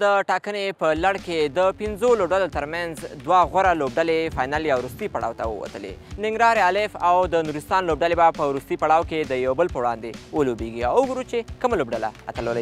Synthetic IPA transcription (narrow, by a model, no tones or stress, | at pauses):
d̪əʈɑkənepəlaɽked̪əpɪnzolobɖalot̪əɾmanzd̪waɣaɾalob̚ɖalefɑjnɑljawɾust̪ipaɽɑ̰wt̪a̰wə̰wa̰t̪əlḛnɪŋɡɾɑɾalɪfawd̪ənuɾɪst̪ɑnlobɖalebapəwɾust̪ipaɽ̃ɑwked̪əjawbəlpəwɽɑ̰nd̪ewəlobeɡia̰wʊɡuɾut͡ʃekəmalobɖala̰at̪ələla